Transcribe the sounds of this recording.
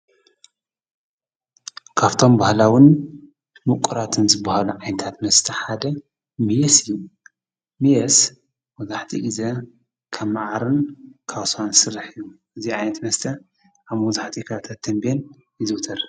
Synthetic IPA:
kʰaβt̪ʰo̞mbahlawɪn | mukʷʼuɾat̪ʰɨnzɨbːahaluʕajnɐt̪ʰat̪mɐst̪ʰɐħad̪ɐ | mijɛsɨjːu | mijɐs | mɔzaħt̪ʰḭʔizɐ | kʰɐmːaʕaɾɨnkʰaβsansɨrːaħɨjːuʔɨziʕajnɐt̪mɐst̪ʰɐ | ʔaβmɐzaħt̪ʰikʰat̪ʰat̪ʰːɐmben | jɨzɨwt̪ʰɐɾ

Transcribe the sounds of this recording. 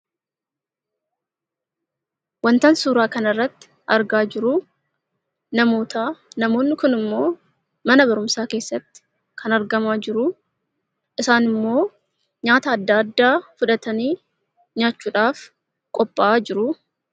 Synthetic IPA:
wɐnt̪ɐnsuːɾaːkɐnɐrːɐt̪ːɪ̥ | ɐɾɡaːd͡ʒɪɾʊ | nɐmo̞ːt̪ɐnɐmo̞ːnːɪkʊnɪmːo̞ː | mɐnɐbɐɾʊmsaːke̞ːsːɐt̪ːɪ̥ | kʰɐnɐɾɡɐmaːd͡ʒɪɾʊ | ʔɪsaːnɪmːo̞ː | ɲaːt̪ɐːd̪ːaːd̪ːaːfʊᶑɐt̪ɐniː | ɲaːt͡ʃːuːᶑaːf | kʼɔpʼːaːd͡ʒɪɾʊ

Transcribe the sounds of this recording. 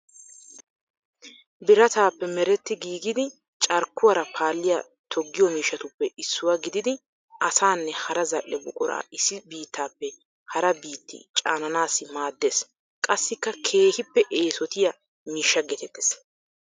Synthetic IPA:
bɪɾɐt̪aːpːɛmɛɾɛt̪ːɪɡiːɡɪd̪ɪ | t͡ʃʼɐɾkːʊwɐɾɐpʰaːlːɪjɐ | t̪ʰɔɡːɪjɔmiːʃːɐt̪ʊpːɛʔɪsːʊwɐɡɪd̪ɪd̪ɪ | ʔɐsaːnːɛhɐɾɐzɐʔːɛbʊkʼɔɾa̰ːɪsɪbiːt̪ːaːpːɛ | hɐɾɐbiːt̪ːɪ̰t͡ʃʼaːnɐnaːsɪmaːd̪ːeːs | kʼɐsːɪkːɐkʰe̞ːhɪpːɛʔeːsɔt̪ɪjɐ | miːʃːɐɡɛt̪ɛt̪ːɛ̥s

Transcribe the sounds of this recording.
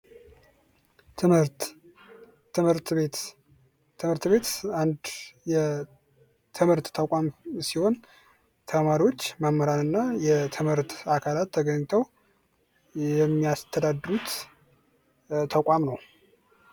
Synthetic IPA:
ɨmhɨɾt̪βet̪ʰ | ɨmhɨɾt̪βe̞t̪and̪jɛ | t̪ʰɨmhɨɾt̪ːʰakʷʼamsiho̞n | t̪ʰəmaɾiwo̞t͡ʃːmamːəɾanɨnːajɛt̪ʰɨmhɨɾt̪akʰalat̪ʰːəɡəɲt̪ʰəw | jɛmːiast̪ʰəd̪ad̪ɾut̪ | t̪ʰəkʷʼamnəw

